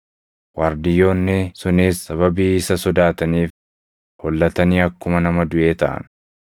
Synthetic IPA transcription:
wɐɾd̪ɪjo̞ːnːɪsʊniːsːɐβɐbiːɪsɐsɔd̪aːt̪ɐniːf | hɔlːɐt̪ɐniːɐkːʊmɐnɐmɐd̪ʊʔe̞ːt̪ɐʔɐ̰n

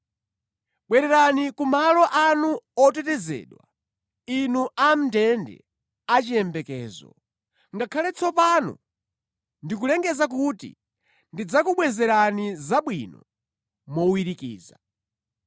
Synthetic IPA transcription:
ɓwɛɾɛɾanikumalɔʔanuɔtɛtɛzɛ̰ːɗwa | inuʔam̩ndɛndɛ̰ | at͡ʃijɛmbɛkɛ̰ːzɔ̰ | ŋɡakʰalɛt͡sʰɔpanɔ̰ | ndik̬ulɛŋɡɛzak̬utḭ | ndid͡zakuɓwɛzɛɾanizaɓwḭnɔ | mɔwiɾikiːza

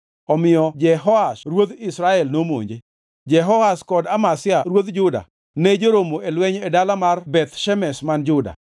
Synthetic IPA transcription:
ɔmɪjɔd͡ʒɛɦɔasɾwod̪ɪsɾaɛlnomo̰ɲd͡ʒe | d͡ʒɛɦɔaskɔdamasɪaɾwod̪d͡ʒʊda̰ | ned͡ʒoɾomoelwɛɲedalamarbɛt̪ʃɛmɛsmand͡ʒʊda̰

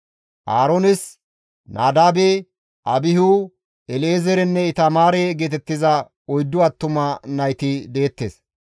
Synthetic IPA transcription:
ʔaːɾonɪs | naːd̪aːbe | ʔɐbɪɦu | ɛleːzɛɾɛnːɛɪt̪ɐmaːɾeːɡeːt̪ɛt̪ːɪzɐ | ɔjd̪ːʊɐt̪ːʊmɐnɐjt̪ɪd̪e̞ːt̪ːeːs

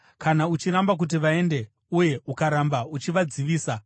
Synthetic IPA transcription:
kanaut͡ʃiɾambak̬ut̬iʋae̞nde̞ | uje̞ukaɾambaut͡ʃiʋad͡ziʋiːsa

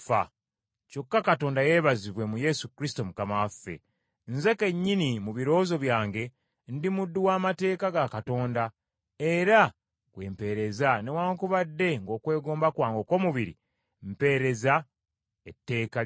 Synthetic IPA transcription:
fa̰ | co̞kːakato̞ːndaje̞ːβaziβwe̞muje̞sukɾisi̥to̞mukamawafːe̞̰ | nze̞ke̞ɲːinimuβiɾo̞ːzo̞βjaːŋɡe̞ | ndimudːuwaːmate̞ːkaɡakato̞ːnda | eɾa | kwe̞ːmpe̞ɾe̞zane̞waːŋkuβadːe̞ŋɡo̞ːkwe̞ːɡo̞ːmbakwaːŋɡo̞ːko̞ːmuβiɾḭ | m̩pe̞ɾe̞za | etːe̞ːka

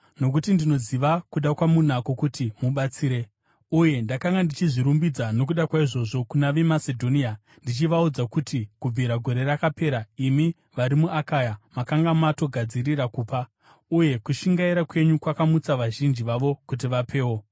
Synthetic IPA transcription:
no̞k̬utindino̞ziʋakuɗakwamun̤ako̞kutimuɓat͡siːɾe̞ | uje̞ndakaŋɡandit͡ʃiʐiɾumbid͡zano̞k̬uɗakwaiʐo̞ʐo̞kunaʋe̞mase̞dʱo̞nia | ndit͡ʃiʋaud͡zakutikub͡vʱiɾaɡʱo̞ɾe̞rakape̞ːɾaimi | ʋaɾimuʔakaːjamakaŋɡamato̞ɡʱad͡zirirakuːpa | uje̞kuʃiŋɡaiɾakwe̞ɲukwakamut͡saʋaʒind͡ʒiʋaʋo̞kut̬iʋapʰe̞ːwo̞

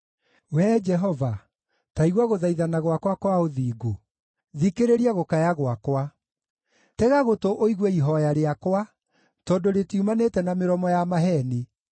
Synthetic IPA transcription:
wɛːd͡ʒɛɦɔva | taiɣwaɣoðaiðanaɣwakwakwaoðiːɡo | ðikeɾeɾiaɣokajaɣwakwa | tɛɣaɣotoʔoiɣwɛiɦɔjaɾeakwa | tɔdoɾetiumanetɛnameɾɔmɔjamaɦɛne

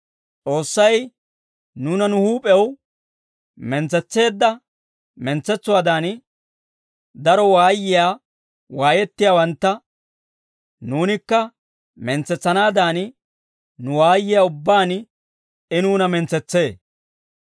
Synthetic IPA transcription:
t͡sʼo̞ːsːɐj | nuːnɐnʊhuːpʼɛw | mɛnt͡sːɛt͡sːe̞ːd̪ːɐ | mɛnt͡sːɛt͡sːʊwaːd̪aːn | d̪ɐɾɔwaːjːɪjaː | waːjɛt̪ːɪjaːwɐnt̪ːɐ | nuːnɪkːɐ | mɛnt͡sːɛt͡sːɐnaːd̪aːn | nʊwaːjːɪjaːʊbːaːn | ɪnuːnɐmɛnt͡sːɛt͡sːe̞ː

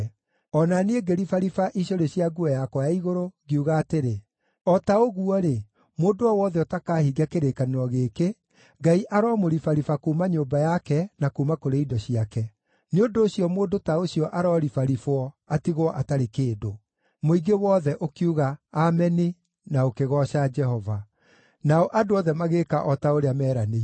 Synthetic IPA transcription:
ɔnaneeɡeɾifaɾifaʔiɕoɾeɕiaɡuɛjakɔjaiɣoɾoɡeuɣaːteɾe | ɔtaoɣuɔɾe | moːdoɔwɔːðɛotakaːhiɡakeɾekanɾɔɣeːke | ŋɡaiʔaɾɔmoɾifaɾifakuːmaɲoːmbajakɛnakuːmakoɾeidɔɕijakɛ | neondoːɕijɔmoːdotaoɕjɔʔaɾɔɾifaɾifoɔ | atiɣwɔʔataɾekeːdo | moiɡewɔːðɛʔokiuɣaːmɛni | naokeɣɔɕad͡ʒɛhɦɔva | naɔʔadoɔðɛmaɣeːkaʔɔtaoɾeamɛːɾane

